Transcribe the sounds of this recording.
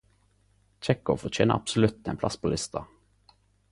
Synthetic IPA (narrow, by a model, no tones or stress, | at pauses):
t͡ʃɛkʊfɔt͡ʃʰeːnə̰ʔɑ̰psʊlʉt̪̚ḛːpʰlɑspʰoːlʔɪst̪ʰɑ